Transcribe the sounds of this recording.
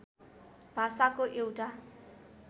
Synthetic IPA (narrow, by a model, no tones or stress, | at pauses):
b̥ʱasakoʔewʈa